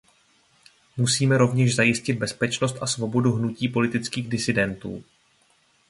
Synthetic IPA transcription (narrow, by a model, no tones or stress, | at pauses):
musiːmɛɾo̞vɲɛʃzajɪscɪd̪̚bɛspɛt͡ʃno̞st̪asvo̞bo̞duɦnuciːpo̞lɪt̪ɪt͡skiːɣdɪsɪdɛnt̪ṵː